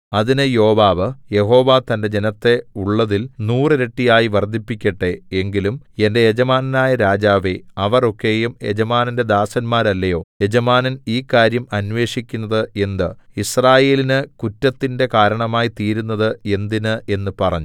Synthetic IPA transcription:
ɐðinɨjo̞ːʋaːʋɨje̞ɦo̞ːʋaːt̪ɐnde̞d͡ʑe̞nɐt̪ːe̞uɭːɐðilnuːrɨɾe̞ʈːijaːjiʋɐrd̪ʱipːikʲːɐʈːe̞e̞ŋɡilum | e̞nde̞jed͡ʑɐmaːnɐnaːjɐɾaːd͡ʑaːʋeɐʋɐro̞kːe̞ːjumjed͡ʑɐmaːnɐnde̞d̪aːsɐnmaːɾɐlːɐjo̞ːje̞d͡ʑɐmaːnɐniːkːaːɾjɐmɐnʋe̞ːʂikʲːunːɐðɨe̞nd̪ɨisraːje̞ːlinɨkutːɐt̪ːinde̞kaːɾɐɳɐmaːjit̪iːɾunːɐðɨe̞nd̪inɨʔe̞nːɨpɐrɐ̰ɲːu

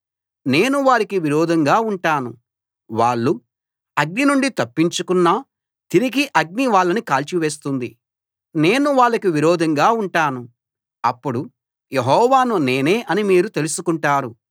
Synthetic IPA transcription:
ne̞ːnuʋaːɾikiʋiɾɔːd̪ʱɐŋɡaːuɳʈaːnu | ʋaːɭːu | ɐɡninuɳɖit̪ɐpːiɲt͡ʃukunːɐ | t̪iɾiɡiʔɐɡ̚niʋaːɭːɐnikaːlt͡ʃiʋe̞ːs̬t̪und̪i | ne̞ːnuʋaːɭːɐkiʋiɾɔːd̪ʱɐŋɡaːuɳʈaːnu | ɐpːuɽu | jeɦɔːʋaːnune̞ːne̞ːʔɐnimiːɾut̪e̞lusukuɳʈaːɾu

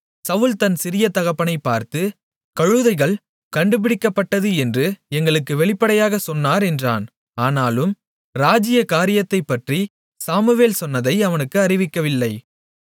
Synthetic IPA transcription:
sɐʋɯlt̪ɐnsɪɾɪjɐt̪ɐɣɐpːɐnɐɪpːaːɾt̪ɯ | kɐɻɯðɐɪɣɐɭ | kɐɳɖɯp̬ɪɽɪkːɐpːɐʈːɐðɯɛndrɯɛŋɡɐɭɯkːɯʋɛɭɪpːɐɽɐjaːɣɐsɔnːaːɾɛndra̰ːn | aːnaːlɯm | ɾaːd͡ʒɪjɐkaːɾɪjɐt̪ːɐɪpːɐʈri | saːmɯʋeːlsɔnːɐðɐɪɐʋɐnɯkːɯɐrɪʋɪkːɐʋɪlːɐɪ

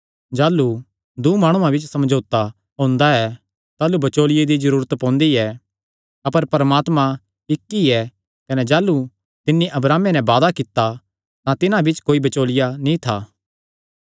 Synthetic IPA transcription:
d͡ʒaːlu | d̪umaːɽ̃ũãbɪt͡ʃsɐmd͡ʒʱoːt̪a | ɦõːnd̪aɛ | t̪aːlubɐt͡ʃoːlɪjed̪izɐɾuːɾət̪pɔ̃ːnd̪iɛ | ɐpəɾpɐɾmaːt̪mã | ɪkːiɛ | kɐnɛd͡ʒaːlːu | t̪ɪnːiʔɐbɾaːmenɛ̃baːd̪akɪt̪ːa | t̪ãt̪ɪnãbɪt͡ʃkoːibɐt͡ʃoːlɪjanĩt̪ʰaː

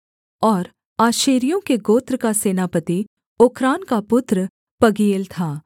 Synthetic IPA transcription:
ɔːɾ | aːʃeːɾijõkeɡoːt̪ɾəkaseːnaːpət̪i | oːkʰɾaːnkapʊt̪ɾə | pɐɡiːlt̪ʰaː

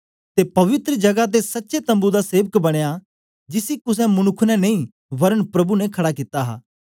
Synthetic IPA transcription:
t̪epɐʋɪt̪ɾəd͡ʒɐɡat̪̬esɐtːʃet̪ɐ̃mbud̪aseːʋəkbɐɽ̃eja | d͡ʒɪsikʊs̬ɛ̃mʊnʊkʰːnɛnɐĩ | ʋɐɾəɳpɾɐbunɛkʰɐɽakit̪aɦa̰ː

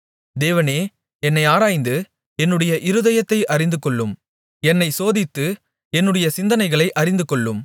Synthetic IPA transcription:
d̪eːʋɐneː | ɛnːɐɪaːɾaːjnd̪ɯ | ɛnːɯɽɐjɐʔɪɾɯðɐjɐt̪ːɐɪʔɐɾɪnd̪ɯkːɔɭːɯm | ɛnːɐɪsoːðɪt̪ːɯ | ɛnːɯɽɐjɐsɪnd̪ɐnɐɪɣɐɭɐɪʔɐɾɪnd̪ɯkːɔɭːɯm

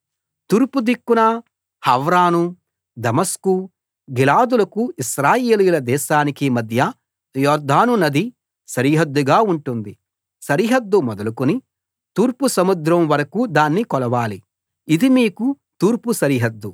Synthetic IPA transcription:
t̪uːɾpud̪ikːunɐ | hɐʋɾaːnu | d̪ɐmɐsku | ɡilaːd̪ulɐkuiʃɾaːjeːlijulɐd̪ɛːʃaːnikimɐd̪ʱjɐ | jɔːɾd̪ʱaːnunɐd̪i | sɐɾiːɦɐd̪ːuɡaːuɳʈund̪i | sɐɾiɦɐd̪ːumɔd̪ɐlukuni | t̪uːɾpusɐmud̪ɾɐmʋɐɾɐkuːd̪aːnːikɔlɐʋaːli | id̪imiːku | t̪uːɾpusɐɾiːɦɐd̪ːu

